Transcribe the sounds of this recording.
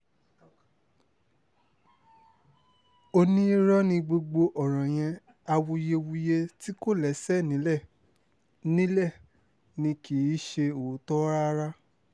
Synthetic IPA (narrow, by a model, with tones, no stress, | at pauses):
o˧nĩ˦ɾɔ˦nĩ˧ɡ͡bo˧ɡ͡bo˧ʔɔ˨ɾ̃ã˨j̃ɛ̃˧ | a˧wo˧je˧wu˧je˧ti˦ko˦˨lɛ˨˦sɛ˦˨nĩ˨˦lɛ˦˨ | nĩ˦lɛ˦˨ | nĩ˧ki˨˦ʃe˧o˨˦tɔ˦ɾa˦ɾa˦